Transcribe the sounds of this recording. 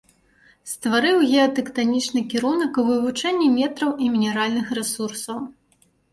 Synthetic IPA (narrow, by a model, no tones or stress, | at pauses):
st̪vaɾɨwɣʲɛɐt̪ɛkt̪anʲit͡ʂnɨkʲɛɾunɐkuvɨvut͡ʂɛnʲːimʲɛt̪ɾɐwʔimʲinʲɛɾalʲnɨxrɛsursɐw